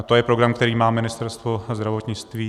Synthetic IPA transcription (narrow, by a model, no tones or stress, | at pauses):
t̪o̞jɛpɾo̞ɡɾamkt̪ɛɾiːmaːmɪnɪst̪ɛɾst̪vo̞zd̪ɾavo̞t̪ɲɪt͡st̪viː